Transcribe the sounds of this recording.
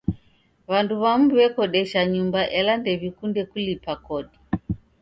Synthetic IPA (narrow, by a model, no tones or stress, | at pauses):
βanduβamuβɛkɔɗɛʃaɲumbaʔɛlandɛβikundɛkulipakɔɗi